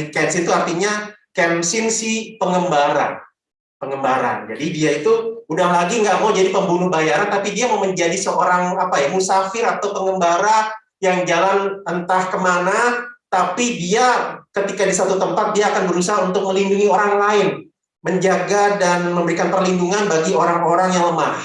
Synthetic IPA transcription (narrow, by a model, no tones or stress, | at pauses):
kɛnsint̪uart̪iɲakɛmsɪnsɪhpəŋəmbaɾa̰ | pəŋəmbaɾa̰nd͡ʒa̰didiait̪uudahlaɡiŋɡaʔmaud͡ʒadipəmbunʊhbajaɾant̪apidiamaməɲd͡ʒadisəʔoɾaŋapaimusafɪɾat̪awpəŋɡəmbaɾa | jaŋd͡ʒalanənt̪ahkəmanat̪apidiakət̪ikadisat̪ut̪əmpat̪̚diaːkanbəɾusaɦaunt̪ʊk̚məlinduŋioɾaŋlaɪn | məɲd͡ʒaɡadanməmbəɾikanpərlinduŋanbaɡioɾaŋoɾaŋjaŋləmah